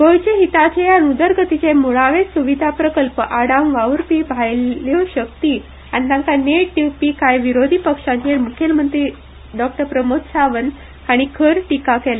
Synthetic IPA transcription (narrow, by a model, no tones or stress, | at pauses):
ɡojt͡ɕeɦit̪at͡ɕeanud̪əɾɡət̪it͡ɕemuɭaʋesuʋid̪ʱapɾəkəlpəʔaɽamʋaʋɾpibʱajloɕək̚t̪iː | añinãŋkaneʈiʋpiːkajʋiɾod̪ʱipəkʂãɲt͡ɕemukʰelmənt̪ɾiː | ɖɔk̚ʈəɾpɾəmot̪saʋən | aɽ̃ikʰəɾʈikakɛle